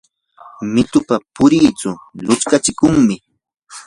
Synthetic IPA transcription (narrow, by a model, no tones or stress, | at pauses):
mɪt̪ʊpapʊɾiːt͡sʊlʊt͡skat͡ʃɪkʊŋmɪ